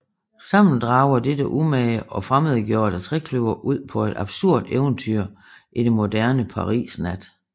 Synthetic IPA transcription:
sɑ̈m̰n̩d̥ʁɑ̈ʊɐd̥edəʔumɛɪʔɒ̽fʁameðˠɡ̥jo̝̰ːɐd̥æt͡sʰʁɛkʰløʊɐʔuð̞̰ˠpʰɒ̽e̝d̥ɑ̈b̥suɐ̰d̥eʊnt͡sʰyɐ̰ | ʔid̥enmo̝d̥æɐnəpʰɑ̈ʁḭːsnæd̥

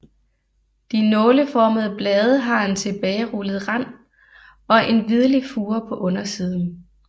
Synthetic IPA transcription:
d̥inɔ̽ːləfɒːməð̞̩ˠəb̥lɛːð̞ˠəɦɑ̈e̝nt͡sʰe̝b̥ɛːɪʁuləð̩ˠʁɑn̰ | ɒ̽ʔe̝nʋið̞ˠɐlifuːɐpʰɒ̽ʔɔ̽nɐsiːð̞ˠn̩

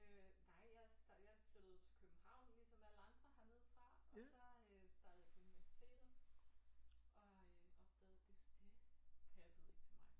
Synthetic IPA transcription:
ønɑ̈ɪ̰jɑ̈ɪsd̥ɑjɑ̈ɪfløɾ̥əð̞ˠt͡sʰe̝lkʰøb̥̚m̩hɑ̈ʊ̰nlisɒ̽mʋææləɑ̈nd̥ʁɐhɑ̈ne̝ð̰ˠfʁɑ̈ɒ̽sɒ̽øsd̥ɑ̈ːd̥ð̩ˠjäpʰuniʋæɐsi̥t͡sʰe̝̰ːd̥̩ | ʔɒ̽ɒ̽b̥̚d̥ɛːð̩ˠd̥e̝sd̥e̝pʰæsˠḭt͡sʰe̝mɑ̈ɪ

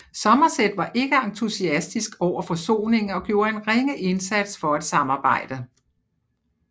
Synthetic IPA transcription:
sɒ̽mɐsed̥ʋɑ̈ʔe̝ɡ̥əɑ̈nt͡sʰusiæsd̥isɡ̥ɒʊ̰ɐfɒ̽so̝̰ːne̝ŋ̩ɒ̽ɡ̥jo̝̰ːɐe̝nʁeŋəʔe̝nsæd̥sfɒ̽æd̥sɑ̈mɑ̈ːb̥ɑ̈ɪ̰d̥ə

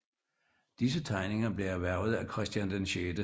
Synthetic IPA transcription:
d̥is̬ət͡sʰɑ̈ɪne̝ŋɐb̥le̝æɐʋæɐ̰ʊð̞̩ˠækʰʁɛsd̥jænd̥enɕeːd̥ə

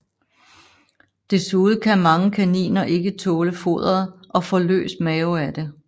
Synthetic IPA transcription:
d̥e̝suːð̩ˠkʰæmɑ̈ŋəkʰænḭːnɐʔe̝ɡ̥ət͡sʰɔːləfo̝̰ð̞ˠɐðˠʔɒ̽fɒ̽lø̰ːsmɛːʊæd̥e̝

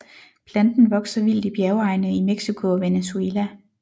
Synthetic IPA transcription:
pʰlænd̥n̩ʋɒ̽ɡ̥sɐʋil̰d̥ib̥jæʊɑ̈ɪnəimeɡ̥sikʰo̝ɒʋenesuelæ

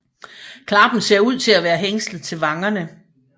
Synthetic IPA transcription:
kʰlɑ̈b̥n̩se̝ɐ̰uð̞̰ˠt͡sʰe̝læʋæːɐɦeŋslð̩ˠt͡sʰe̝lʋɑ̈ŋɐnə

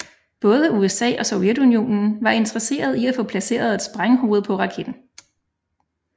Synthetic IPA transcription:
b̥ɔ̽ːð̞ˠəuesɛ̰ːʔɒ̽so̽ʊjed̥unio̝̰ːnn̩ʋɑ̈e̝nd̥ʁɐse̝̰ːɐð̞ˠiæfɔ̽pʰlæse̝̰ːɐð̞̩ˠe̝d̥sb̥ʁaŋɦo̝ːð̞̩ˠpʰɒ̽ʁɑ̈kʰed̥n̩

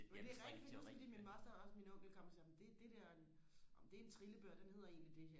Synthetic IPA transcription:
od̥e̝æʁɛɡ̥di̥fɒ̥sfdḭːminmɑsd̥ɐɒ̽sminɔ̽ŋ̰ɡ̥l̩kʰɒ̽m̰ɐsim̩d̥e̝d̥e̝d̥eɐ̰enɒmd̥e̝ent͡sʰʁiləb̥øɐ̰d̥ene̝ð̞̰ˠɐe̝̰ːnlid̥e̝ɦe

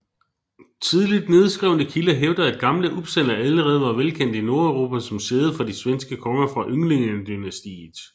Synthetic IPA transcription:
t͡sʰiðˠlid̥ne̝ð̞ˠsɡ̥ʁɛʊnəkʰiləɦeʊd̥ɐæd̥̚ɡ̥ɑ̈mləʔub̥sen̰ɐæləʁɛːð̞̩ˠʋɑ̈ʋelkʰen̰d̥ino̝ɐœʊʁo̝ːpʰæsɒ̽mse̝ːð̞̩ˠfɒ̽disʋensɡ̥əkʰɒ̽ŋɐfʁɑ̈ʔøŋle̝ŋənd̥ynæsd̥ḭ̥ː

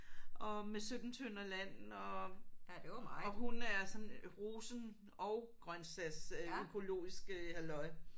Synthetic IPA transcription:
ʔɒ̽mesød̥n̩t͡sʰønɐlæn̰n̩ɒ̽ | ɒ̽ɦunæɐsɒ̽nʁuːsn̩ | ɒʊɡ̥ʁɶnsæsøkʰo̝lo̝̰ːisɡ̥əhælɒ̽ɪ

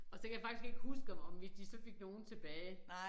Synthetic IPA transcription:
ɒ̽sɒ̽kʰæjäfɑ̈ɡ̥isɡ̥e̝ɡ̥əhusɡ̥ʋmʋe̝sd̥isɒ̽fe̝ɡ̥no̝ːn̩t͡sʰe̝b̥ɛːɪ

